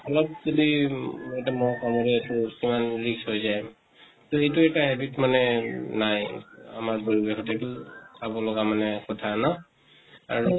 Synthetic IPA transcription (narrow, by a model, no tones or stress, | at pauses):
ɔlɔp̚zodiɛtamɔkamɔɹɛːtukimanɹiksɦojzaj | tɔejtuɛtaɦɛbitmanɛnaja̰maɹboɹibɛxʰɔtɛtʊsabɔlɔɡamanɛkɔtʰanɔ | a̰ɹu